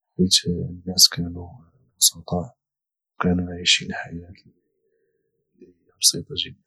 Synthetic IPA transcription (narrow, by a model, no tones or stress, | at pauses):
it̪nːæskʰæːnu | mʊsɑt̪ˤɑʕ | wkænuʕiʃinħajæt̪ | lihjbsit̪ˤɑʒəd̪ː